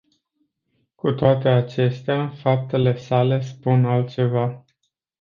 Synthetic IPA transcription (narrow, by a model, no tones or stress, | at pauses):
kut̪oat̪e̞at͡ʃe̞st̪eafap̚t̪e̞le̞sale̞spunalt̪̚t͡ʃe̞va